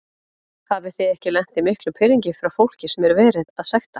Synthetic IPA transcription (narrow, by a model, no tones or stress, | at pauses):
havɪθejɛhcɪlɛn̥t̪ɪmɪhklʏpʰɪɾiɲcɪfɾawfowl̥cɪsɛmɛɾʏɾvɛːɾɪðaðsɛxt̪a